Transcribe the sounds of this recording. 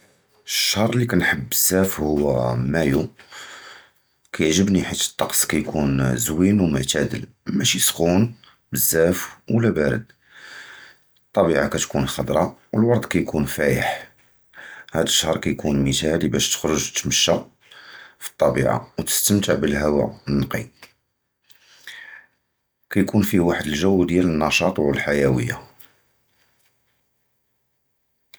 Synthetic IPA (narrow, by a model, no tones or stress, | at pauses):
əʃːɑɾˤlikænħəbːəz̥ːæfhʊwːæmæju | kʰæjəʕʒəbniħət̪ːə̥t̪ˤːɑqskæjkʰunzwinwmʊʕt̪æd̪ə̰l | mæʃisxun | bəzːæfwlːæbæɾə̰d̪ | t̪ˤːɑbiʕakæt̪kunxɑd̪ɾˤɑwəlwɑɾˤd̪ˤkæjkʰunfæjəħ | hæd̪əʃːhɾˤkæjkʰunmət̪ælibæʃt̪ə̥xɾʊʒt̪məʃːa | fi̥t̪ˤːɑbḭʕa̰wt̪ə̥st̪əmt̪əʕbəlɦæwæ̰ənːɑqḭ | kæjkunfiwaħəd̪əlʒæwːd̪jælənːɑʃɑt̪ˤwəlħajæwəjːa